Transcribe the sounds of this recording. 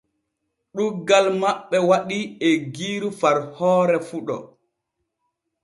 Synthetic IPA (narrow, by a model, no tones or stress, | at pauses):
ɗuɡːalmaɓːɛwaɗiɛɡiːɾufaɾhɔːɾɛfuɗɔ̰